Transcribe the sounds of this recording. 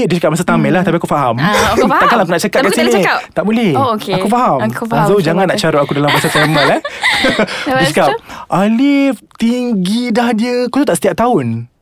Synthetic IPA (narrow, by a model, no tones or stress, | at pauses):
diət͡ʃakap̚masat̪amɛlaht̪apiakufaɦamt̪aʔkanlaak̬unaʔt͡ʃakapkasinit̪aʔbolɛhakufaɦamuazad͡ʒaŋanːaʔt͡ʃaɾuakudalambaasatɛmalah | diət͡ʃakap̚ʔalift̪iŋɡidahdiəkut̪ut̪aʔsə̥t̪iap̚t̪aʊn